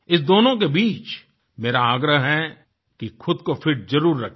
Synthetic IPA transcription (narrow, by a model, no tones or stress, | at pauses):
ɪs̬d̪oːnõk̬ebiːt͡ʃ | meːɾaaːɡɾəɦɦɛ | kixʊd̪kofɪʈ̚zɐɾuːɾːɐkʰ